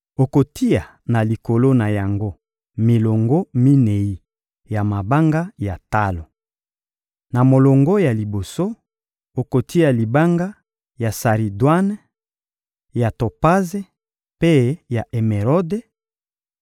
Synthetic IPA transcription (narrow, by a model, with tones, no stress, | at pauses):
o˨ko˨ti˦a˨ | na˨li˨ko˨lo˦na˨ja˨ŋɡo˦ | mi˨lo˨ŋɡo˦mi˦ne˨i˦ | ja˨ma˨ba˦ŋɡa˦ja˨ta˦lo˨ | na˨mo˨lo˨ŋɡo˦ja˨li˨bo˨so˦ | o˨ko˨tʰi˦a˨li˨ba˦ŋɡa˦ | ja˨sa˨ʁi˨dwa˦n˦ | ja˨to˨pa˦ze˦ | pe˦ja˨ʔe˨me˨ʁɔ˦de˦